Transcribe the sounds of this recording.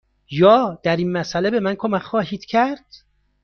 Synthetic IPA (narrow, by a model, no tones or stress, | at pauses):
jɒːd̪̥æɾinmæsæle̞be̞mænkʰomækʰxɒːɦiːd̪̥cʰæɾd̪̥